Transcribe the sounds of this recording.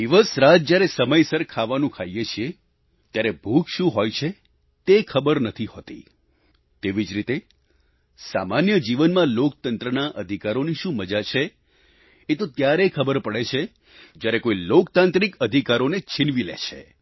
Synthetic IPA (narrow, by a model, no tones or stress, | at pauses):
d̪iʋəsɾad͡ʒd͡ʒjaɾesəməjsəɾkʰaʋanũkʰajjet͡ʃʰie | t̪jaɾebʱuɡʃũɦojt͡ʃʰe | t̪ekʰəbəɾnət̪ʰiɦot̪ḭ | t̪eʋid͡ʒɾit̪e | sa̰manjəd͡ʒiʋənmãlok̚t̪ənt̪ɾənaʔəd̪ʱikaɾoniʃũməd͡ʒat͡ʃʰe | et̪ot̪jaɾekʰəbəɾpəɭet͡ʃʰe | d͡ʒjaɾekoilokt̪ãnt̪ɾikəd̪ʱikaɾonet͡ʃʰinʋilḛt͡ʃʰḛ